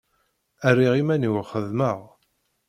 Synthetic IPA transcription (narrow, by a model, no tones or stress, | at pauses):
ærːiʁimæniwəχəðməʁ